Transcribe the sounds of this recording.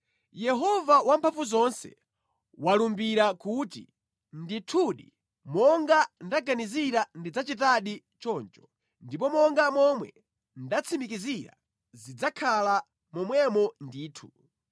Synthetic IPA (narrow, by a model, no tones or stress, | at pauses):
jɛɦɔvawampʰafuzɔnsɛ̰ | walumbiɾakutḭ | nditʰuɗḭ | mɔŋɡandaɡaniziɾandid͡zat͡ʃitaɗi | t͡ʃɔːnt͡ʃɔ̥ | ndip̬ɔmɔŋɡamɔmwɛ | ndat͡sʰimikiziɾa̰ | zid͡zakʰala | mɔmwɛmɔndiːtʰu